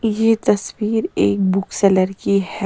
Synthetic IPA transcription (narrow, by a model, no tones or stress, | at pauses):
jet̪ɐswiːɾḛːk̚bʊksɛːləɾkihɛ